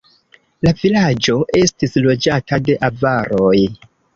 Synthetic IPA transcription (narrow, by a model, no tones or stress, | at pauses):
lavilad͡ʒo̞ʔe̞stislo̞d͡ʒatʰade̞ʔavaɾo̞j